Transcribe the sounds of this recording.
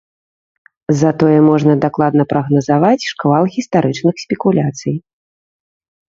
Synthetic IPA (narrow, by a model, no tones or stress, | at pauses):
zɐt̪ɔjɛmɔʐnɐd̪aklˠad̪nɐpɾɐɣnɐzavat͡sʲʂkvalˠɣʲist̪aɾɨt͡ʂnɨxsʲpʲɛkulʲat̪sɨj